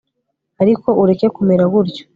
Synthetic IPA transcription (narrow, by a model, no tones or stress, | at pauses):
aɾiko̞ʔuɾe̞ke̞kumeɾaɡuɾɟo